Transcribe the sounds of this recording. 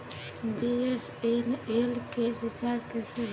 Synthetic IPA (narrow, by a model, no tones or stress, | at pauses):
biesenelkesit͡ʃaɾkese